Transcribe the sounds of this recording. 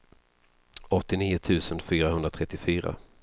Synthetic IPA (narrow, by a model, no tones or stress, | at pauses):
ɔt̪ːɪniːʊt̪ʰʉ̟ːsənfyːɾahɵnd̪ɾat̪ʰɾɛt̪ːɪfyːɾa̰